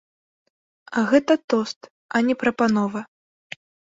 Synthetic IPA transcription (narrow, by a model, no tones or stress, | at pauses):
ɐɣɛt̪ɐt̪ɔst̪ | ɐnʲɛpɾɐpanɔvɐ